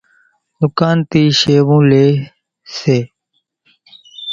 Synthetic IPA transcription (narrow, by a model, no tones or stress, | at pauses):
d̪ʊkaːnt̪iːʃeːʋũːleː | seː